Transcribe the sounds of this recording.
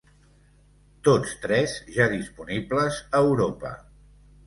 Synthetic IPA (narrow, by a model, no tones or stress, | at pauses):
t̪ot͡st̪ɾɛzʒaðispunibləzəːwɾopə̰